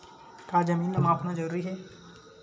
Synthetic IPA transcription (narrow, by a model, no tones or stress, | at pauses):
kaːd͡ʒɐmiːnɐmaːpnad͡ʒɐɾuːɾiɦɛː